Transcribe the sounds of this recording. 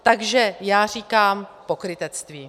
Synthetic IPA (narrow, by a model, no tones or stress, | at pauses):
t̪aɡʒɛjaːr̝iːkaːmpo̞kɾɪt̪ɛt͡st̪viː